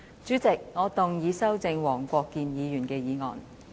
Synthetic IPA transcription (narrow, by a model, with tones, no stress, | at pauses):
t͡syː˨˥t͡sɪ˨k̚ŋɔː˨˧t̪ʊ˨ŋjiː˨˧sɐ˥wt͡sɪ˧ŋwɔː˨˩ŋkʷɔː˧kːiː˧njiː˨˧jyː˨˩nkɛː˧jiː˨˧ŋɔ̰ː˨n